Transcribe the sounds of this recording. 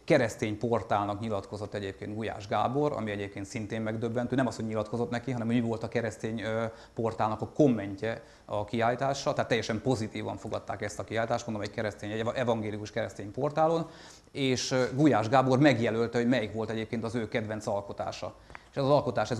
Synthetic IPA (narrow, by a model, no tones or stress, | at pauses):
kɛɾɛst̪eːɲpo̞rt̪aːlnɒkɲilɒt̪ko̞zot̪ːɛɟeːpkeːnɡuja̰ːʒɡa̰ːbo̞ɾɒ̰miɛɟeːp̚keːnt̪sint̪eːmmɛɡd̪øbːɛnt̪øːnɛmɒshoɟɲilɒt̪ko̞zo̞t̪nɛkiɦɒnɛmhomivo̞lt̪ɒkɛɾɛst̪eːɲ | po̞rt̪aːlnɒkɒko̞mːɛɲcɛ | ɒkiaːlit̪aːʃːɒt̪ɛaːt̪ːɛjɛʃɛmpo̞zit̪iːvɒ̰ɱfo̞ɡɒt̪ːa̰ːkɛst̪ɒkiaːlit̪aːʃt̪mond̪omɛckɛɾɛst̪eːɲɛʔɛvɒŋɡeːlikuʃkɛɾɛst̪eːɲpo̞rt̪aːlo̞n | eːʃɡujaːʒɡaːbo̞rmɛɡjɛlølt̪ɛomɛjikʋo̞lt̪ɛɟeːpkeːnt̪ɒzøːkɛd̪ʋɛnt̪sɒlko̞t̪a̰ːʃɒ̰e̥ʃɛzɒzɒlko̞t̪aːʃɛz